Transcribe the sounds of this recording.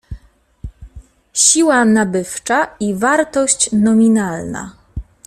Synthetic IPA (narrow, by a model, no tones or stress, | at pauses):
ɕiwanabɘft͡ʂaivaɾt̪ɔɕt͡ɕnɔmʲinalna̰